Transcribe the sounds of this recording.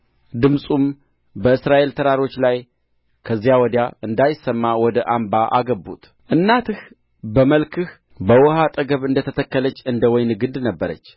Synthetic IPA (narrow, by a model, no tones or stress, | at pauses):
d̪ɨmsʼum | bəɨsɾaʔe̞lt̪ʰəɾaɾo̞t͡ʃːlaj | kʰəzːijawɔd̪jaɨnd̪ajɪsəmːawɔd̪əʔambaʔa̰ɡəbːṵt̪ | ʔɨnːat̪ʰɨh | bəməlkʰɨh | bəwɔhat̪ʼəɡəβɨnd̪ət̪ʰət̪ʰəkːələt͡ʃːɨnd̪əwɔjnɡɨnd̪nəbːəɾə̰t͡ʃː